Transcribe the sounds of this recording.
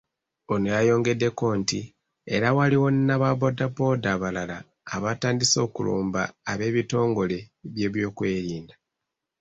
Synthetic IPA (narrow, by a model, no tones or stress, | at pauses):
o̞nojajo̞ːŋɡe̞dːe̞ko̞nti | e̞ɾawaliwo̞nnːaβaβodapo̞daβalalaː | βataːndiso̞ːkṵlo̰ːmbaːβe̞ːβito̞ːŋɡo̞le̞βje̞ːβjo̞ːkwe̞ːɾiːnda